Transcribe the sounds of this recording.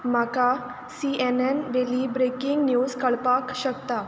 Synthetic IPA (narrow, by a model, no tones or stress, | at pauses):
m̤aka | siɛnɛnʋelibɾekiŋɡnjuzkəɭpakɕəkt̪a